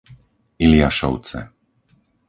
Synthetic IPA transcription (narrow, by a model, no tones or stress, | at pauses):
ilɪaʃɔ̰ʊt͡sɛ̰